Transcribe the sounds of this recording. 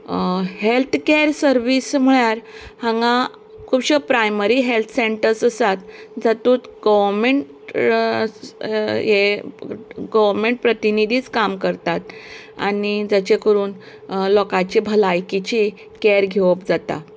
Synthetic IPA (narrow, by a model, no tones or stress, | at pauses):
helt̪ʰkeɾsəɾʋism̤əɭjaɾhãŋɡã | kʰuːbɕəpɾajməɾiɦelt̪ʰseɳʈəɾsəsat̪̚d͡zat̪uːt̪ɡəʋəɾmeɳʈ | je | ɡəʋəɾmeɳʈ̚pɾət̪inid̪ʱiːt͡skamkəɾt̪at̪ | a̰nid͡zat͡ɕekəɾuːn | lɔkat͡ɕibʱəlajkit͡ɕi | keɾɡʱeʋəpd͡zat̪a̰